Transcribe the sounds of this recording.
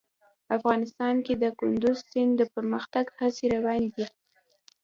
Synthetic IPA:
afɣɑnɪst̪ɑnked̪əkʊnd̪ʊzsɪnd̪əpəɾməxt̪aɡhaseɾawɑnd̪i

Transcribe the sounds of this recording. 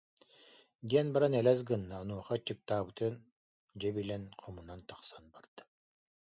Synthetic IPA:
d̪iɛnbaɾanɛlɛs̬ɡɯnːaɔnuɔχɔt͡ɕɯk̚t̪aːbɯt̪ɯn | d͡ʑɛbilɛnqʰɔmunant̪ḁχsanbaɾd̪̥ɯ̥

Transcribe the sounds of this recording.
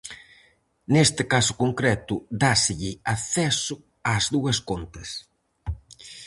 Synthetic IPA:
nest̪ɪkasʊ̥koŋkɾɛt̪ʊd̪asɪʎɪaθɛsʊ | azðuɐskont̪ɐs

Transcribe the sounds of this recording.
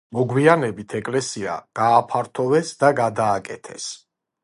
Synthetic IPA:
mɔɡwianɛbit̪ʰɛkʼlɛsia̰ɡ̥aːpʰaɾt̪ʰɔvɛsd̪aɡad̪aːkʼɛt̪ʰɛs

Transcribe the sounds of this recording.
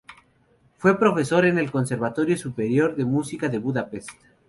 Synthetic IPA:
fwe̞pɾo̞fe̞so̞ɾene̞lko̞nse̞ɾβat̪o̞ɾjo̞supeɾjo̞ɾðemusikaðeβuðapest̪

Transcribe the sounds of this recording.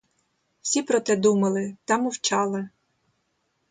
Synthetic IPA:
wsʲipɾɔt̪ɛd̪umɐlˠɪt̪ɑmʊwt͡ʃɑlˠɐ

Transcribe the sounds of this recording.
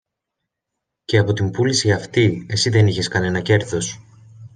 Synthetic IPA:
ceɐpo̞t̪imbulisiɐft̪ie̞siðe̞niçe̞skɐne̞nɐce̞ɾθo̞s

